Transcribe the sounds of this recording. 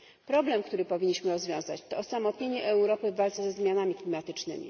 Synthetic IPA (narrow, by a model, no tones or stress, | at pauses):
pɾɔblɛmkt̪uɾɘpɔvʲiɲːiɕmɘɾɔzvʲjɔ̃w̃zat͡ɕt̪ɔːsamɔt̪ɲeɲɛʔɛwɾɔpɘvalt̪sɛzɛzmʲjanamʲiklʲimat̪ɘt͡ʂnɘ̰mʲḭ